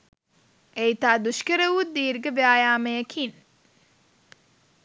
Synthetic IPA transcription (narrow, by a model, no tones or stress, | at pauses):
ʔɛjt̪aːd̪ʊʃkɐɾɐwud̪iːɾɡɐbɪaːjaːmɐjɐkʰin